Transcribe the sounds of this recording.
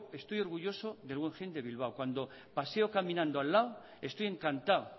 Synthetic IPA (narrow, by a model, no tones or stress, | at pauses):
e̞st̪o̞jo̞ɾɣuʝo̞so̞ðe̞lɣweŋxend̪e̞βilβ̞awkwand̪o̞ | pase̞o̞kamĩnãnd̪oalːaw | e̞st̪oje̞ŋkant̪ao